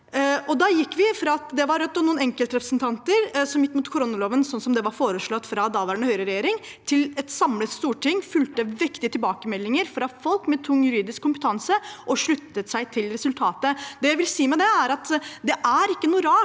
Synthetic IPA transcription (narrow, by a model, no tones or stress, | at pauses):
ɔd̪ɑjɪkːʋɪfɾɑɑt̪d̪ɛʋɑɾœt̪ːɔmnuːənɛŋkəlt̪ɾɛpɾəsnt̪ʰɑnt̪əɾsɔmɪt̪ːmuːt̪kʰʊɾʊnʊloːʋənsɔnsɔmd̪ɛʋɑɾfoːɾəʂɭɔt̪ːfɾɑd̪ɑʋæɳəhœʏɾəɾɛjeːɾɪŋ | t̪ʰɪlɛt̪sɑmlət̪st̪uːʈʰɪŋːfʉlt̪əʋɪkt̪ɪət̪ɪlbɑːkəmɛlːɪŋəɾfɾɑfɔlkmɛt̪ʰʊŋːjʉɾiːd̪ɪskʰːʊmpə̥t̪ʰɑnsəʔɔʂɭʉt̪ːət̪sæɪt̪ʰɪlɾɛsʉlt̪ʰɑːt̪əd̪ɛjæɪʋɪlsiːmɛd̪ɛæɾɑt̪d̪ɛʔæɾɪkːənuːɾɑː